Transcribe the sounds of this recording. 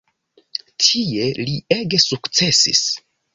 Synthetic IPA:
tʰie̞lie̞ɡe̞sukt͡se̞sḭs

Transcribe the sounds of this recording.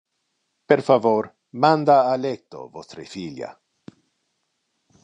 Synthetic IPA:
peɾfavoɾ | mand̪aːlek̚t̪o̰vost̪ɾefilja̰

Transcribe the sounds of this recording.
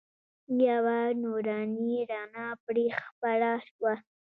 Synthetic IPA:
jawanoɾɑniɾɑnɑpɽexpaɽaʃwa

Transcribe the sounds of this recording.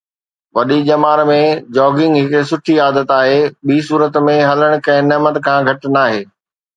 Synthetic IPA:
ʋɐɗid͡ʑɐmaːɾmẽd͡ʑɔːɡɪ̃ŋɡɦɪksʊʈʰiaːd̪ət̪aːɦeːɓiːsuːɾət̪mẽɦɐləɽ̃̆kɐ̃ɦɪ̃nɐːmət̪kʰãːɡʱɐʈ̆naːɦeː

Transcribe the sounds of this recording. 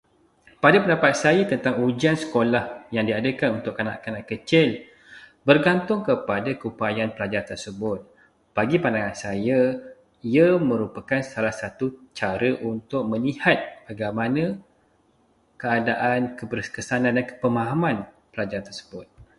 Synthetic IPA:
padapəndapat̪̚sajət̪ənt̪aŋud͡ʒiansə̥kolahjaŋdiadəkanunt̪ʊkːana̰ʔkanãʔkət͡ʃɪl | bərɡant̪ʊŋkəpadakəupajanpəlad͡ʒaɾant̪ərsəbʊt̪̚ | b̥aɡipandaŋansaja | iamə̃ɾupakansalahsat̪ut͡ʃaɾəʔunt̪ʊk̚mə̃lihat̪̚b̥aɡajmanã | kəadaʔankəbərkəsanãndankə̥pəmaɦamãn | pəlad͡ʒaɾant̪ərsə̥bʊt̪̚

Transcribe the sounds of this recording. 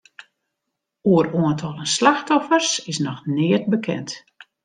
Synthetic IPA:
uəɾoəntʰolˠənslaxtɔfərsɪsnɔxnɪːət̚bəkʰɛ̰nt

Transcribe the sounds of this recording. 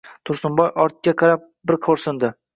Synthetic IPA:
t̪ʰʊɾsʊmbɒjʔɒɾt̪̚kʲaqʰɑɾap̚bɪɾqʰoɾsɪnd̪ɪ

